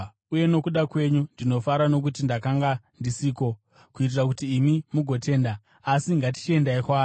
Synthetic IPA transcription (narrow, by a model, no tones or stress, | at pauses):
uje̞no̞kuɗakwe̞ɲundino̞faɾano̞k̬utindakaŋɡa | ndisiːko̞ | kuit̬irak̬utiːmimuɡʱo̞te̞ːndaː | siŋɡat̬i̥t͡ʃie̞ndaikwaː